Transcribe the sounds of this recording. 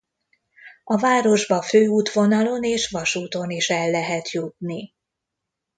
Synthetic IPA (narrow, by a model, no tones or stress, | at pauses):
ɒvaːɾo̞ʒbɒføːuːt̪ʋo̞nɒlo̞neːʃvɒʃuːt̪o̞niʃɛlːɛɦɛt̪jut̪̚ni